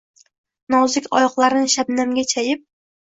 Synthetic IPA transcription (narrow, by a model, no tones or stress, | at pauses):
nɒwzɪkʲʰɒjɒqlˠaɾɪnɪʃabnamɡʲat͡ʃʰajɪp̚